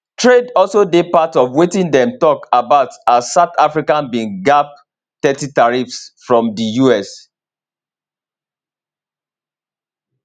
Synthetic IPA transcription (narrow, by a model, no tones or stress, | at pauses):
tʰɹedɔlsodepatɔvwetĩndɛ̃mtɔkabaʊtazsaʊtafɹikãnbĩŋɡap̚ | tɛtitaɹifsfɹɔ̃mdijuɛs